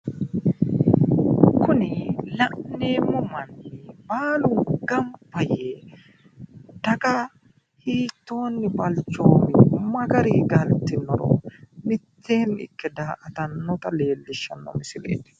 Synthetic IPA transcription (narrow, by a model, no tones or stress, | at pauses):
kʊnɪlɐʔneːmʊmɐnːɪbaːlʊɡɐmpːɐje | d̪̥ɐkʼɐ | hiːt̪ːo̞ːnːɪbɐlt͡ʃːoːmɪmɐɡɐɾiːɡɐlt̪ːɪnɔɾo̰ːmɪt̪ʰːeːnɪ̰kːɛd̪aːʔɐt̪ɐnːɔt̪ɐle̞ːlːɪʃːɐnːɔ̰mɪsɪlḛːd̪